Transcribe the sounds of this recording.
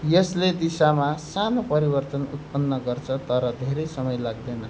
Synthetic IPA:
jʌsled̪isamasanopʌɾibʌrt̪ʌnṵt̪̚pʌnːʌɡʌrt͡sʰʌt̪ʌɾʌd̪ʱeɾʌjsʌmʌjlaɡ̚d̪enʌ

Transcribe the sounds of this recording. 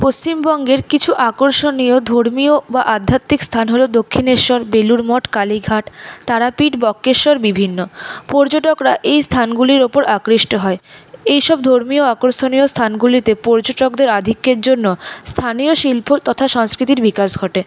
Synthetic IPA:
post͡ɕimbɔŋɡeɾkit͡ɕʰuʔakoɾʃoniod̪ʱoɾmiobaʔad̪ʱːat̪ːikst̪ʰanɦolod̪okʰːineɾʃɔɾbeluɾmɔʈkaliɡʱaʈt̪aɾapiʈbɔkːeɾʃɔɾbibʱinːopɔɾd͡ʑoʈokɾaʔejst̪ʰanɡuliɾopoɾakɾiʃʈoɦɔeejʃɔb̚d̪ʱoɾmioakoɾʃoniost̪ʰanɡulit̪epɔɾd͡ʑoʈokd̪eɾad̪ʱikːeɾd͡ʑonːost̪ʰanioʃilpʰot̪ɔt̪ʰaʃɔŋskɾit̪̬iɾbikaʃɡʱɔʈe

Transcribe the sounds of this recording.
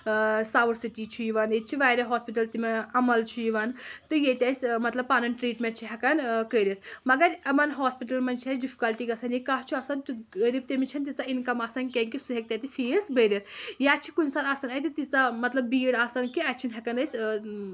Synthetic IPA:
saːʋuɾsiʈit͡ʃʰujiʋanet͡ʃʰiʋaːjɾɐɦaːspiʈɐlt̪imeɐmɐlt͡ʃʰujiʋant̪ɨjet̪ʲɐsʲmɐt̪lɐbpaːnɐnʈɾiːʈmẽnʈ̚t͡ʃʰiɦɐkɐnkəɾet̪ʰmɐɡɐɾɐmɐnɦoːspiʈɐlmɐnt͡ʃʰiɐsɖifʰi̥kɐlʈikɐsɐnjikaːɦt͡ʃʰuɐsɐnt̪uɾib̚t̪imet͡ʃʰɐnt̪̬it͡sainkɐmaːsɐnkẽŋkisuɦek̚t̪ɐt̪ifʰiːsbəɾet̪ʰjat͡ʃʰi̥kunsaːɾasɐnɐjt̪it̪it͡samɐt̪lɐbːbiːɽaːsɐnkiɐt͡ʃʰinɦɐkɐnɐsʲ

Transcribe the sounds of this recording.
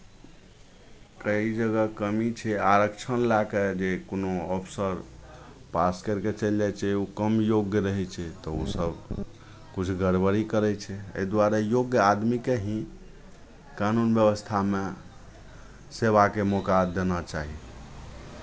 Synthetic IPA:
kəid͡ʒəɡəkəmit͡ʃʰɛaɾəkt͡ʃʰənlaked͡ʒekonoɔpʰsəɾpaskəɾket͡ʃəljɛt͡ʃʰɛukəmjoɡjəɾəɦɛt͡ʃʰɛt̪ɔo̰səb | kut͡ʃʰɡəɾbəɾikəɾɛt͡ʃʰɛə̰id̪waɾejoɡjəad̪mikeɦĩ | kanunbjəbəst̪ʰame | seβakemokad̪enət͡ʃaɦi

